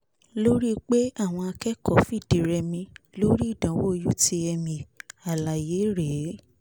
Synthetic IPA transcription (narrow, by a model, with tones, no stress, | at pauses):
lo˦ɾi˦k͡pe˦a˦˨w̃ɔ̃˧a˧kɛ˦kɔ˦˨fi˦˨di˨˦ɾɛ˧mĩ˧lo˦ɾi˦˨dã˨˦wo˦˧ju˦ti˦ɛ˧mĩ˧a˨la˨je˨˦ɾe˨˦